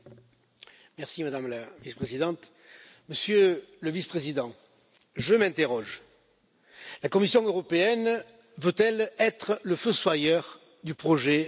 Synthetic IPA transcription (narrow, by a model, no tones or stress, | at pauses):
mɛʁsimad̪amlavispχezid̪ɑ̃t̪ | məsjøləvispχezid̪ɑ̃ | ʒəmɛ̃t̪eʁɔʒ | lakɔmisjɔ̃øʁɔpeɛn | vøt̪ɛlɛt̪χləføswajœʁ | d̪ypχɔʒe